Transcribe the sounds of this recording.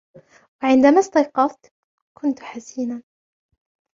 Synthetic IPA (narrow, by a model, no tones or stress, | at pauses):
waʕɪnd̪amast̪ɑjqɑft̪ | kʊnt̪ħasiːnan